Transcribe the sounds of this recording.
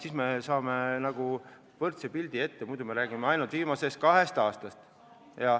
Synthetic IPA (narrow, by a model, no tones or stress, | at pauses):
sismesɑːmenɑɡ̥u | vɤrt̪sepilʲd̪̥ie̞t̪ːe̞mud̪ume̞ɾæːɡ̥imeɑjnult̪viːmɑse̞st̪̚kɑɦe̞st̪ɑːst̪ɑst̪ | jɑ